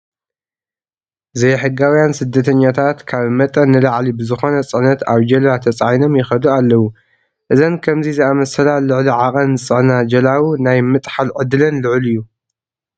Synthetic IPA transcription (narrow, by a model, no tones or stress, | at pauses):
zɐjħɨɡawjansɨd̪ːɐt̪ʰɐɲːat̪ʰat̪kʰaβmɐt̪ʼɐnːɨlaʕlibɨzɨxo̞nɐt͡sʼɨʕnɐt̪aβd͡ʒɐlat̪ʰɐt͡sʼajno̞mjɪxɐd̪ualːɐwu | ʔɨzɐnkʰɐmzizɨamɐsɐlalɨʕliʕaqʼɐnːɨt͡sʼɨʕnad͡ʒɐlawunajmɨt̪ʼħalʕɨd̪ɨlɐnlɨʕlɨjːu